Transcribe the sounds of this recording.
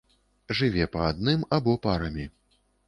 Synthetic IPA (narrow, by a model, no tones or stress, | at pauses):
ʐɨvʲɛpɐad̪̚nɨmabɔpaɾɐmʲi